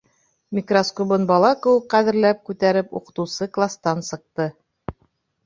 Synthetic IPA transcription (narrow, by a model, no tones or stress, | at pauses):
mʲikroskoβɤnbɑlˠɑkŏwɤqæðɘ̆ɾlæp̚kʉt̪æɾɘpṵqɤ̆t̪ɤ̆wsɤklˠast̪ɑnsɤ̆q̚t̪ɤ